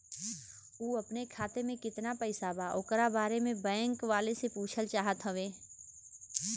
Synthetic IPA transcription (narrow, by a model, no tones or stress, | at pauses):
uːɐpnekʰaːt̪emẽkɪt̪napɛɪsabaʔoːkəɾabaːɾemẽbɛ̃ːŋkʋaːlesepuːt͡ʃʰəlt͡ʃaːɦət̪ɦɐʋeː